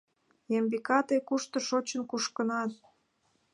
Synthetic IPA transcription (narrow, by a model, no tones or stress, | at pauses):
jembikɑt̪ekuʃt̪ŏʃot͡ɕə̆nkuʃkə̆nɑt̪